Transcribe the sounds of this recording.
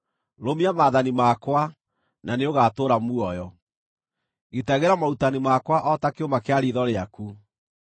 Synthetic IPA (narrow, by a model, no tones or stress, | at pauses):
ɾomiamaːðanimakwa | naneoɣatoːɾamuɔjɔ | ɣetaɣeɾamautanimakwaʔɔtakeomakeaɾiːðɔɾeaku